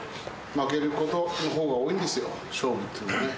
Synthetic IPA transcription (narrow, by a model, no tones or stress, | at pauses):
makeɾɯ̟ko̞t̪o̞noɦoːɣaoːĩnd̪esɨjo | ɕoːbɯt̪ːɯnne